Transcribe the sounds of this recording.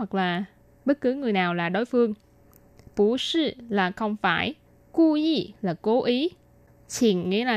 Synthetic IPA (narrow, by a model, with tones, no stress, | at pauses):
wa˨˩k̚laː˨˩ | ɓə˦˥t̚kɨ˨˦ŋɨ˨˩əjnaː˨˩wlaː˨˩ɗo˨˦jfɨ˧əŋ | pu˧˩sɨ˧˩laː˨˩xə˧wŋ͡mfaː˧˩j | ku˧zi˧˩laː˨˩ko˨˦ʔi˨˦ | t͡ɕi˨˩nŋḭ˧˥laː˨